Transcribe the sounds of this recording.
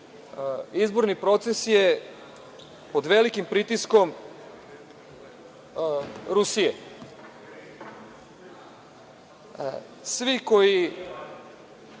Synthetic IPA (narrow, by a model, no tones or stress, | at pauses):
izbo̞ɾnipɾo̞t̪sesje | po̞d̪ʋe̞likimpɾit̪isko̞m | ɾusije | sʋiko̞ji